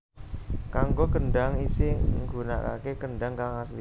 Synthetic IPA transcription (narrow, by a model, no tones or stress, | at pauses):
kaŋɡokənɖa̤ŋisɪŋɡṳna̰ka̰kekəɳɖaŋkaŋasli